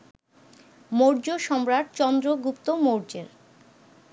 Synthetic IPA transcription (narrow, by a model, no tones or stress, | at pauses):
moɾd͡ʑoʃɔmɾaʈ̚t͡ɕɔnd̪ɾoɡupt̪omoɾd͡ʑeɾ